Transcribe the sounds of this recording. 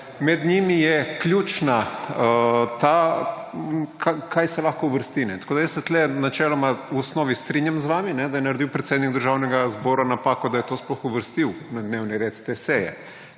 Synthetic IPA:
mɛd̪ɲimijɛklʲuːt͡ʃna | t̪a | kʰakʰajsɛlaxkouʋəɾst̪inɛt̪ḁkoːd̪ajəssɛt̪lɛnat͡ʃɛːlomauɔsnoːʋist̪ɾiɲjamzʋaːminɛd̪ajɛnaɾd̪iwpɾet̪seːd̪nikd̪əɾʒaːwnɛɡazboːɾanapakɔd̪ajɛt̪osplɔxuʋəɾst̪iwnad̪neːwniɾeːt̪t̪eseːjɛ̰

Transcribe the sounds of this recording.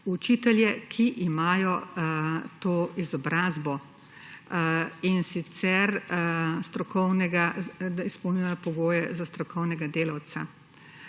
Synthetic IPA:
ut͡ʃiːt̪ɛljɛkʰiʔimaːjɔ | t̪oːizɔbɾaːzbɔ | insit̪sɛɾ | st̪ɾɔkɔwnɛɡaispɔwniapɔɡoːjɛzast̪ɾɔkɔwnɛɡad̪eːlawt̪sa

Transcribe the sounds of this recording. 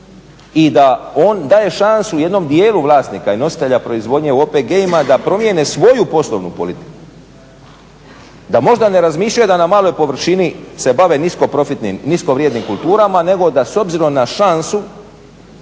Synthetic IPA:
id̪aoːnd̪aːje̞ʃansuje̞d̪no̞md̪je̞ːluʋlˠaːst̪niːkaino̞si̥t̪e̞ʎapɾo̞izʋo̞d̪ɲe̞oːpeɡeimad̪apɾo̞mjene̞sʋo̞jupo̞slo̰ʋnupo̞lit̪i̥ku̥ | d̪amo̞ʒd̪ane̞ɾazmiːʃlʲajed̪anamaːlˠo̞jpo̞ʋr̩ʃinise̞baʋe̞nisko̞pɾo̞fit̪nimniskoʋɾjed̪nimkult̪uːɾamane̞ɡo̞d̪aso̞bziɾo̞mnaʃansu

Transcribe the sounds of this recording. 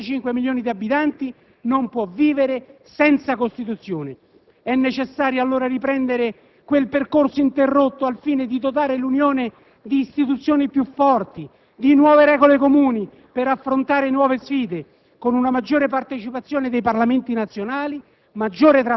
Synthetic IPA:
at͡ʃiŋkwemiljoːnid̪iabːit̪ant̪i | nompwɔviːveɾesɛnt̪sakost̪it̪ut̪sjoːne | ɛnːet͡ʃesːaːɾjoalːoːɾaɾipɾɛnd̪eɾe | kwelperkorsoint̪erːot̪ːoalfiːned̪id̪ot̪̬aːɾelunjoːne | d̪iːst̪it̪̬ut̪sːjoːnipjufːɔrt̪i | d̪inwɔːveɾɛːɡolekomuːni | peɾafːɾont̪aːɾenwɔːvesfiːd̪e | konunamad͡ʒːoːɾepart̪et͡ʃipat̪sːjoːned̪ejparlament̪inat̪sːjonaːli | mad͡ʒːoːɾet̪ɾa

